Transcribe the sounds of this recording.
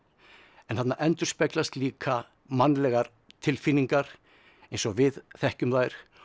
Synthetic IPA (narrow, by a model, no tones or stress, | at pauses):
ɛnθat̪naʔɛnt̪ʏ̥spɛklast̪liːkʰa | manːlɛɣaɾ | t̪ʰɪlfinːiŋkaɾ̥ | ejnsɔɣvɪðθɛhcʏmðaːjɾ̥